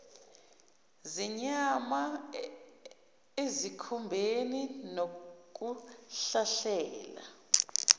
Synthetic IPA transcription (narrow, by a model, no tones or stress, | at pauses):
ziɲama | ezikʰumbʱeninok̬ʼuɬaɬɛːla̰